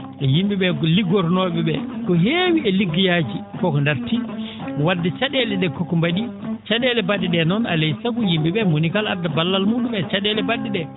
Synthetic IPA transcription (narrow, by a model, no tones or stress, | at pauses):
ʔɛjimbiɓɛkɔliɡɔɾnɔɓɛɓɛ̰kɔɦeːwiɛliɡːijaːd͡ʒikɔkɔndaɾti | wadːɛt͡ʃaɗɛlɛɗɛkɔkɔmbaɗit͡ʃaɗɛlɛbadːiɗɛnɔnalɛjsakujimbiɓɛmonikaladːabalːalmuːɗumɛt͡ʃaɗɛlɛbaɗiɗɛ